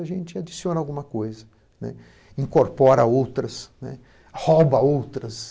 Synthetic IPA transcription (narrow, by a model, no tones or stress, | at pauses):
ɐʒẽnt͡ʃɪad͡ʒisiõnɐawɡũmɐkojzɐ | nɛ̰ | ĩŋkoɾpɔɾɐowt̪ɾɐsnɛ̰ | hɔbɐowt̪ɾɐs